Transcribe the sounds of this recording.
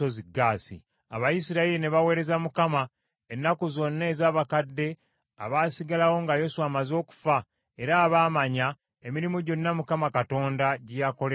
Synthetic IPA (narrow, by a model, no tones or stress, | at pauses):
oziɡːaːsḭ | aβajisiɾaeline̞βawe̞ːɾe̞zamukama | enːakuzo̞nːe̞ːzaːβakadːe̞ | a̰βaːsiɡalawo̞ŋɡajo̞suwamazo̞ːku̥fa | e̞ɾaːβaːmaɲa | e̞miɾimoɟo̞nːamukamakato̞ːndaɟijako̞le